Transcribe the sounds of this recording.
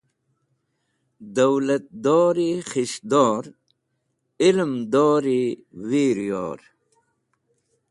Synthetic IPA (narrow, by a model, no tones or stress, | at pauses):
d̪ɐwlɐt̪̚d̪ɔːɾixiɕd̪ɔːɾ | ɪlmd̪ɔːɾiwiːɾijɔ̰ːɾ